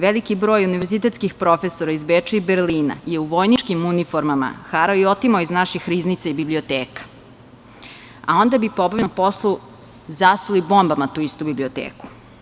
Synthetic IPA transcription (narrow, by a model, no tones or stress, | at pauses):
ʋelikibɾoːjuniʋeɾzit̪et̪skixpɾo̞fesoɾaizbet͡ʂiibeɾliːna̰jeuʋo̞jnit͡ʃkimunifoɾmama̰xaɾaio̞t̪imaoiznaʃixɾiznit̪saibibliot̪eːkḁ | a̰o̞nd̪abipobavpo̞slˠu | zasulibo̞mbamat̪uːist̪ubiblio̞t̪ḛːku̥